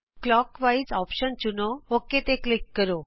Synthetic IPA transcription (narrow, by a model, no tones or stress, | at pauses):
klɔkʋait͡sɔpɕənt͡ɕunoɦoket̪eklikːəɾo